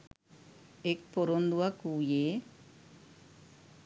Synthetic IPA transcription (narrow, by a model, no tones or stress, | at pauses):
ek̚poɾond̪uakuje